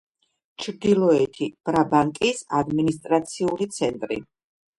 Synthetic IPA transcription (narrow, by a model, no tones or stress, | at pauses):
t͡ʃʰɾd̪ilˠɔɛt̪ʰib̥ɾabaŋkʼisad̪minist̪ʼɾat̪sʰiulit̪sʰɛnt̪ʼɾḭ